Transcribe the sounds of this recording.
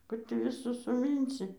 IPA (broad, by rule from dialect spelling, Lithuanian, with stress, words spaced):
ˈkʊr tʲiː ʋʲɪˈsʊs sʊˈmʲiːnʲsʲɪ